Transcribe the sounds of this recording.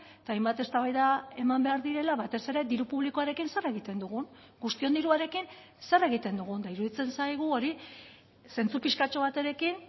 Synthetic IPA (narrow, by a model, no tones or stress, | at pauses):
et̪ajmbat̪e̞st̪aβajðae̞mambe̞aɾðiɾe̞laβat̪e̞se̞ɾe̞d̪iɾupuβ̞likoaɾe̞kinse̞reɣ̞it̪e̞nd̪uɣ̞un | ɡust̪io̞nd̪iɾuaɾe̞kin | se̞re̞ɣ̞it̪e̞nd̪uɣ̞und̪aiɾuðit͡se̞nsajɣ̞uo̞ɾi | se̞nt͡supiʃkat͡ʃo̞βat̪e̞ɾe̞kin